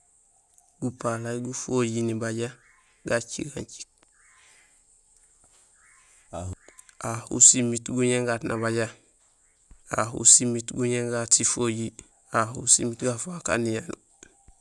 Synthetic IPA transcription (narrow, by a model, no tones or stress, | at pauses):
ɡupalajɡufoɟinibaɟa | ɡat͡ʃḭɡaɲt͡ʃi̥k̚ | ahṵsimitɡuɲeŋɡatnʔabaɟa | a̰hṵsimitɡuɲeŋɡatifoɟi | ahusḭmitɡafaka̰nijanu